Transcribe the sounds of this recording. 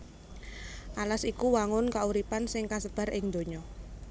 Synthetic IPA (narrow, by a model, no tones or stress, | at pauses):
ʔalasikuwaŋʊnkauɾipansɪŋkasəb̥a̤ɾʔɪŋd̪o̤ɲɔ